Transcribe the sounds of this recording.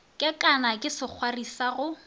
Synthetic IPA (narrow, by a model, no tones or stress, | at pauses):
kʼɪkʼanakʼɪsɪk͡xʰwarisaɣʊ